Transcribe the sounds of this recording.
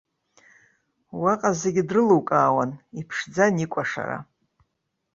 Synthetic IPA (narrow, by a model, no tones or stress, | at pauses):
waqʼazeɡʲidrɨluwkʼaːwanipʰʂd͡zanikʷʼaʂa̰ɾa̰